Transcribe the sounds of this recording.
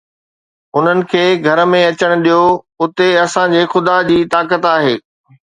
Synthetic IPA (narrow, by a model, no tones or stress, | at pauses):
ʊn̤ənɪ̆kʰeːɡʱɐɾmẽɐt͡ɕəɽ̃ʊɗijo | ʊt̪eɐsãd͡ʑeːxʊd̪ad͡ʑiːt̪aːk̬ət̪aːɦeː